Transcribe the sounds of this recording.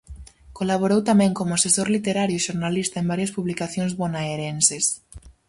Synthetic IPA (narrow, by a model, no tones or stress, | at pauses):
kolaβ̞oɾowt̪amɛ̃ŋkomoasesoɾlit̪eɾaɾjʊʃoɾnalist̪aembaɾjaspuβlikaθjõŋzβonaeɾenses